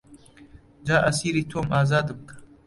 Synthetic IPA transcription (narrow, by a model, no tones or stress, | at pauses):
d͡ʒaːʔasiːɾit̪ʰomʔaːzaːd̪ɨmkʰḁ